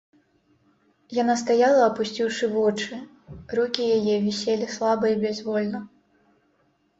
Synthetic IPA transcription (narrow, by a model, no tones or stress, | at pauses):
janast̪ajalˠɐɐpusʲt͡sʲiwʂɨvɔt͡ʂɨ | rukʲijajɛvʲisʲelʲislˠabɐibʲɛzvɔlʲnɐ